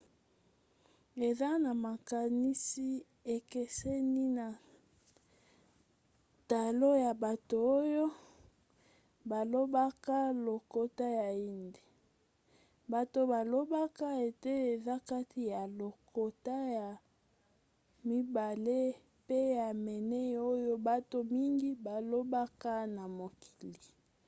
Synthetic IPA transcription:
e˨za˦na˨ma˨ka˨ni˦si˦ | e˨kɛ˦sɛ˦ni˦na˨ | ta˨lo˦ja˨ba˨to˨o˦jo˦ | ba˨lo˦ba˦ka˦lo˨ko˦ta˦ja˨i˦nde˨ | ba˨to˨ba˨lo˦ba˦ka˦e˨te˦e˨za˦ka˦tʰi˨ja˨lo˨ko˨ta˦ja˨ | mi˦ba˨le˦ | pe˦ja˨mɛ˨nɛ˦˨o˦jo˦ba˦to˨mi˦ŋɡi˦ba˨lo˦ba˦ka˦na˨mo˨ki̥˨li˨

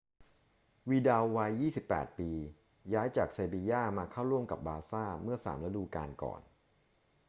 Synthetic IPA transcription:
wiː˧da˧wːa˧jːiː˥˩si˨˩pːɛ̰ː˨˩t̪̚piː˧ | jaː˦˥jt͡ɕaː˨˩k̚seː˧biː˧jaː˥˩maː˧kʰa˥˩wɾu˥˩əmka̰˨˩p̚baː˧saː˥˩mɯ˥˩ɐsa̰ː˩˦mla˦˥duː˧kaː˧nkɔ̰ː˨˩n

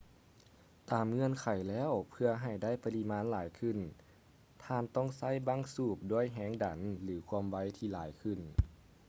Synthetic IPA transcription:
t̪aː˨˩mŋɤ˧˨nkʰa˨˩jlɛː˧˥˨wpʰɯ˧ɐɦa˨˩jda˥˩jpa˧li˧maː˧˥nlaː˨˩˦jkʰɯ˧˩˨n | t̪ʰaː˧˨nt̪ɔː˥˩ŋsa˥˩˨jbaː˧˥˨ŋsuː˧˩p̚du˧˩əjɦɛː˧˥ŋda˨˦nlɯː˩˦kʰu˧əmwa˧˥˩jt̪ʰiː˧˨laː˨˩˦jkʰɯ˧˩n

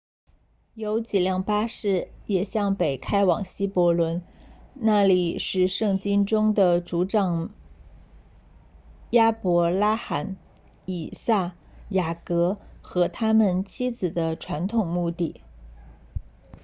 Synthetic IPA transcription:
jo˧˥ʊt͡ɕi˨˩ljɑ˥˩ŋpa˥ʂɻ̩˥˩jɛ˨˩ɕjɑ˥˩ŋpe˨˩ɪkʰa˥ɪwɑ˨˩ŋɕi˥pwɔ˧˥lwə˧˥nna˥˩li˨˩ʂɻ̩˥˧ʂɤ˥˩ŋt͡ɕi˥nʈ͡ʂʊ˥ŋd̪ə˨ʈ͡ʂu˧˥ʈ͡ʂɑ˨˩ŋ | ja˥pwɔ˧˥la˥xa˨˥n | i˨˩sa˥˩ | ja˨˩kɤ˧˥xɤ˧˥t̪ʰa˥mə˨nt͡ɕʰi˥t͡sɹ̩˨˩d̪ə˦ʈ͡ʂʰwa˧˥nt̪ʰʊ˨˩ŋmu˥˧t̪i˥˩

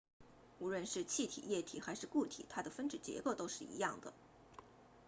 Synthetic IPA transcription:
u˧˥ɻwə˥˧nʂɻ̩˥˧t͡ɕʰi˥˩t̪ʰḭ˨˩jɛ˥˩t̪ʰḭ˨˩xa˧˥ɪʂɻ̩˥˧ku˥˩t̪ʰḭ˨˩˦t̪ʰa˥d̪ə˨fə˥nʈ͡ʂɻ̩˨˩t͡ɕjɛ̰˧˥ko˥˩ʊt̪o˥ʊʂɻ̩˥˩ḭ˧˥jɑ˥˩ŋd̪ə̰˩

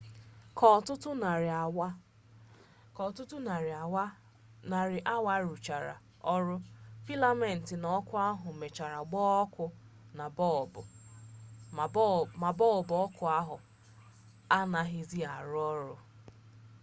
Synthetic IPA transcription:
kɔ˨tʊ˦tʊ˦n˨˦ | kɔ˨tʊ˦tʊ˦na˨ɾa˨wa˦ | na˨ɾɪ˨ʔa˦wa˦ɾu˨t͡ʃa˨ɾa̰˨ | ɔ˦ɾʊ˦fi˦la˦me˨n̩˨tɪ˨nɔ˨˦kʊ˦a˦ɦʊ˨me˨t͡ʃa˨ɾa˨ɡ͡bɔː˦ɔ˦kʊ˦ | n˨˦˨ | ma˨bɔ˦˨lbʊ˨ɔ˦kʊ˨a˦ɦʊ˨ | a˦na˨ɦɪ˦zi˦a˨ɾʊ˦ɔ˦ɾʊ˦

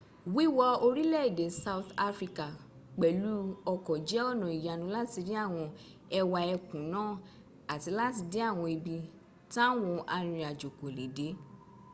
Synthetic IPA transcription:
wi˦wɔ˧o˧ɾi˦lɛ˦˨i˨de˨sa˧u˦t̪a˦fɾi˧ka˨ | k͡pɛ˨lu˦ɔ˧kɔ˨d͡ʒɛ˦ɔ˦˨nɔ̃˨i˨ja˨nũ˧˦la˦ti˧di˦a˦˨w̃ɔ̃˧ | ɛ˧wa˧ɛ˧kũ˨nãː˦˨ | a˨ti˨˧˦la˦ti˧de˦a˦˨w̃ɔ̃˧i˧bi˧ | tã˦wɔ̃˧a˧ɾ̃ĩ˧a˨d͡ʒo˨ko˨le˨de˨˦

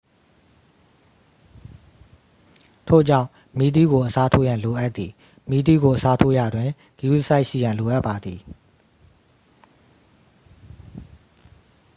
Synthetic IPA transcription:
tʰo̰˦˨d͡ʑã˦˨ʊ̃ | mi˦d̪̬i˦˨ɡo˨ʔəsa˦tʰo˦jã˨nlo˨ʔa˦ʔt̪t̪ːi˨ | mi˦d̪i˦˨ɡo˨ʔəsa˦tʰo˦ja˨dwɪ̃˨ | ɡ̥i˨˦u˦sa˦ɪʔʃḭ˦˨jã˨nlo˨ʔa˦ʔpːa˨d̪ði˨

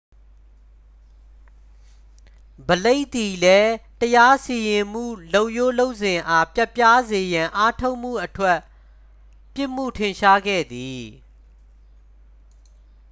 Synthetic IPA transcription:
bəle˦ɪʔt̪i˨lɛ˦təja˦si˨jɪ̃˨m̥ṵ˦˨lo˦˨ʊʔjo˦lo˦ʊʔsɪ̃˨ʔa˦pja˦ʔpja˦ze˨jã˨ʔa˦tʰo˦ʊʔm̥ṵ˦˨ʔətʰwɛ˦ʔ | pjɪ˦ʔm̥ṵ˦˨tʰɪ̃˨nʃa˦ɡɛ̰˦˨d̪i˨

